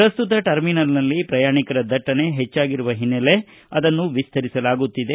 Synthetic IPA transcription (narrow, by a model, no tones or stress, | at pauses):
pɾɐst̪ut̪ɐʈɐɾminɐlnɐlːipɾɐjaːɳikɐɾɐd̪ɐʈːɐne̞ɦet͡ʃːaːɡiɾuʋɐɦinːele̞ | ɐd̪ɐnːuʋist̪ʰɐɾisɐlaːɡut̪ːid̪e